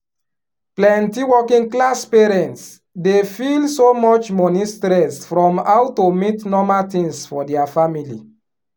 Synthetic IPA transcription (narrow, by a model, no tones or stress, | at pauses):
plɛ̃ntiwɔkĩŋklaspɛɹɛ̃nts | defilsomɔt͡ʃmɔnistɾɛsfɹɔ̃mawtomitnɔmaltĩŋsfɔdɛafamili